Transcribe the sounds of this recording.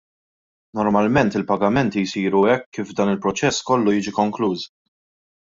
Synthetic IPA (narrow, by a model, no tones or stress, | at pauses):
nɔɾmɐlmɛnt̪ɪlpɐɡɐmɛnt̪ijsiːɾuɛkːiːvd̪ɐːnɪlpɾɔt͡ʃɛsːkɔlːujiːd͡ʒikɔŋkluːs